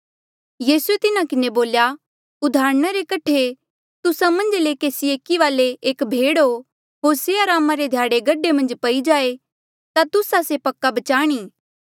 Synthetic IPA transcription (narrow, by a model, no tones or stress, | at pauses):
jiːsuet̪ɪnakɪneboːlja | ʊd̪ʱaːɾɽ̃aɾekɐʈʰe | t̪ʊsamɐ̃nd͡ʒlekeːsieːkiʋaːleʔeːkbʱeːɽo | ɦoːɾseaɾaːmaɾed̪ʱjaːɽeɡɐɖemɐ̃nd͡ʒpɐid͡ʒaːe | t̪at̪ʊsasepɐkːabɐt͡ʃaːɽ̃iː